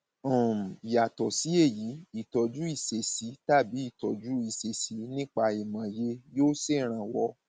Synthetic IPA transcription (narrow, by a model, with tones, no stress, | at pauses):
ɔ̃˦˨i˨ja˨tɔ˨si˨˦e˦˨ji˨˦i˦˨tɔ˨d͡ʒu˨˦i˦˨se˨si˨˦ta˦˨bi˨˦i˦˨tɔ˨d͡ʒu˨˦i˦˨se˨si˨˦nĩ˦k͡pa˧i˨mã˨je˧joː˦se˦˨ɾ̃ã˧˨wɔ˧